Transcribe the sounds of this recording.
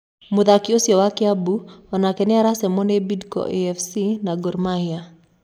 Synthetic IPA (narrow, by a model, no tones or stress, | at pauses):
mʊðakɪosjɔwakɪabuɔnakɛnɪaɾasɛmɔnebidkɔ̰ʔeɛfsinaɡɔɾmahja